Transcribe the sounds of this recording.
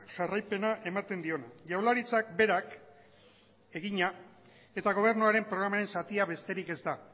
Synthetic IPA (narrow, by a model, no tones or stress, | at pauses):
ʝarajpe̞naʔe̞mat̪e̞nd̪io̞naʝawlaɾit͡sak̚be̞ɾak | e̞ɣiɲa | e̞t̪aɣ̞o̞β̞e̞ɾnuaɾe̞mpɾo̞ɣ̞ɾamaɾe̞nsat̪iaβe̞st̪e̞ɾike̞zd̪a